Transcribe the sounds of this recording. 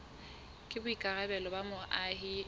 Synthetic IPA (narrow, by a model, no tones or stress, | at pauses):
kʼɪbʊikʼaɣɛbɛlɔbamʊʔaɦɪ